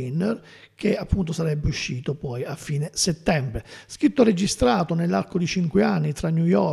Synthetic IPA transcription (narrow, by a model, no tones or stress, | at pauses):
inːer | k̟eapːunt̪osaɾɛbːeuʃːiːt̪opɔjafːiːneset̪ːɛmbɾeskɾit̪ːored͡ʒist̪ɾaːt̪onelːa̰ɾkod̪it͡ʃiŋkweanːit̪ɾanːjujɔ